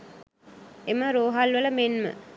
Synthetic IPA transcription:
eməɾoːɦalʋələmenmə̰

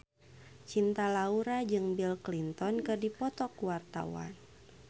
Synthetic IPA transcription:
t͡ʃint̪alauɾad͡ʒɨŋbilklint̪ɔnkɨrdipɔt̪ɔkuwart̪a̰wa̰n

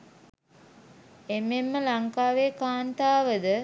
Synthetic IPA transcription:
emːemːəlaŋkaːʋeːkaːnt̪aːʋəd̪ə

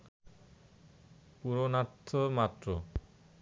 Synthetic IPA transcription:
puɾonat̪ʰːomat̪ːɾo

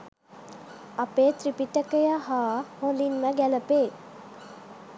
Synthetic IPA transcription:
apeːt̪ɾipiʈəkəjaɦaːholinməɡæləpeː

